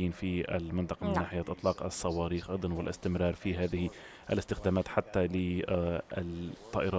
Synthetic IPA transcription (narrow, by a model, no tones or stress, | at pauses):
iːnfia̰lmɪnt̪ˤɑqɑmɪnːaːħɪjaːt̪ʔɨt̪ˤlɑːqɑ̰sˤːɑwɑːɾiːxʔɑjd̪ˤɑnwɪlʔɪ̰st̪ɪmɾˤɑːɾˤfiɦaːðɪhɪ | ʔalɪst̪ɪxd̪aːmaːt̪ħat̪ːalɪ | t̪ˤːɑ̰ːʔɪɾˤɑː